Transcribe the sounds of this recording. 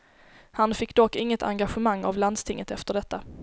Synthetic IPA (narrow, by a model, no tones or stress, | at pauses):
hanfɪkːd̪ɔkːɪŋːət̪ʰa̰ŋɡaɧəmaŋːa̰vland̪st̪ʰɪŋːət̪ɛft̪əɖɛt̪ːa